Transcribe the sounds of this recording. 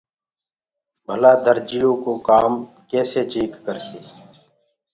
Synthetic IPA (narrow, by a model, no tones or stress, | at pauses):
bʱəlaːd̪əɾd͡ʒɪjõːkoːkaːm | keːseːt͡ʃiːkkəɾsiː